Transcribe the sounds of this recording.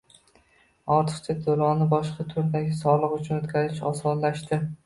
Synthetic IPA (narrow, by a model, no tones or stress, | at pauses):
ɒɾt̪ʰɨ̥qt͡ʃ̪ʰad̪oɾɒnɪbɒʃqʰɑt̪ʰʊɾd̪aɡʲɪsɒlˠɨqʊt͡ʃʰʊnɵt̪kʲazɪʃɒsɒnlaʃt̪ɪ